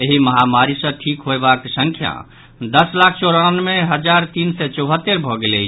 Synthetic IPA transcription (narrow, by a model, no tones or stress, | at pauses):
eɦiməɦamaɾisə̃ʈʰikɦoebaksəŋkʰja̰ | d̪əslakʰt͡ʃoɾanmeɦəd͡ʒaɾt̪insɛt͡ʃɔʊɦət̪ːeɾbʱɔɡelɛt͡ʃʰ